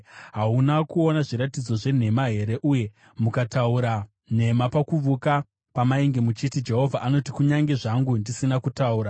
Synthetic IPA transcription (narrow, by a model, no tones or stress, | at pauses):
ɦaunakuo̞naʐiɾatid͡zo̞ʐe̞n̤e̞maɦe̞ɾe̞ʔuje̞ | mukatauɾa | n̤e̞mapakuʋuka | pamaiŋɡemut͡ʃitid͡ʒe̞ɦo̞vʱaʔano̞tikuɲaŋɡe̞ʐaŋɡundisinakutauːɾa